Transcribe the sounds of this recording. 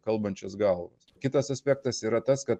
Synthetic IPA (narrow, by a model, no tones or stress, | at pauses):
kɐlˠbɐnʲt͡ʃʲosɡɐlˠʋo̰ːskʲɪt̪ɐsɐsʲpʲɛːk̚t̪ɐsiːɾɐt̪ɐskɐt̪